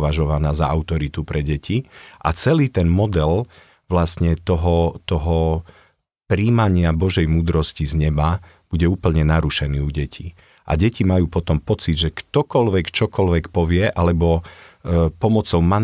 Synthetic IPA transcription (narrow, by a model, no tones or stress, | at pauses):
ʋaʒɔʋanaːzaaʊt̪ɔɾit̪upɾɛɟɛciʔa̰t͡sɛliːt̪ɛnmɔd̪ɛl | ʋlast̪ɲɛt̪ɔɦɔt̪ɔɦɔ | pɾiːmaɲɪabɔʒɛjmuːd̪ɾɔscizɲɛba | b̥uɟɛuːpl̩ɲɛnaɾuʃɛniːuɟɛcʰi | ʔa̰ɟɛcimajuːpɔt̪ɔmpɔt͡sid̪ʒɛkt̪ɔkɔlʋɛkt͡ʃɔkɔlʋɛkpɔʋɪɛʔalɛbɔ | pɔmɔt͡sɔʊman